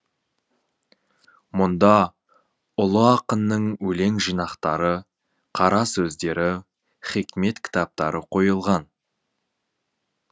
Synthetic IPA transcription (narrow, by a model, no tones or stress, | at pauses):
mʊnd̪ɑ | ʊlˠəɑqənːəɴwɵle̞ŋʒijnɑqt̪ɑɾə | qʰɑɾɑsɵzd̪e̞ɾɪ | χikʲme̞t̪kʲʰɪ̥t̪ɑp̚t̪ɑɾəqʰo̞jəlˠʁɑn